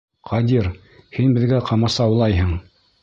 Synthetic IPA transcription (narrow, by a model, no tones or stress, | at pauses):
qʰɑd̪ʲiɾ | hinbɘ̆ðɡæqɑmɑsɑwlˠɑjɦɤɴ